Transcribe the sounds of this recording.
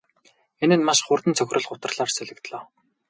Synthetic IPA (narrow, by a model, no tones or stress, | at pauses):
enɘ̆nmaʃχʊrt̪ə̆nt͡sʰœxʲrə̆ɮɢʊt̪ə̆rɮ̥aːrseɮɘ̆kt̪ɮɔː